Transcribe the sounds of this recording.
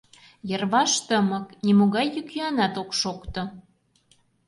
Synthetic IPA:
jərβɑʃt̪əmə̆knimoɣɑjːykjyɑnɑt̪okʃokt̪o

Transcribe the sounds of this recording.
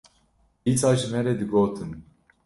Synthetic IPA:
iːt͡saːʒimɛɾɛd̪ɨɡoːt̪ʰɨn

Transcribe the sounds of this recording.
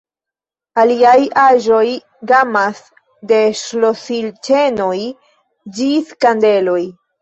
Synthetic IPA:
aliajaʒo̞j | ɡamas | de̞ʃlosilt͡ʃe̞no̞j | d͡ʒiskande̞lo̞j

